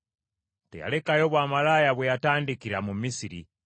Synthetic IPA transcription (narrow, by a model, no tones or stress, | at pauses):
tḛja̰lekajoβwamalajaβwejataːndikiɾamumisiɾḭ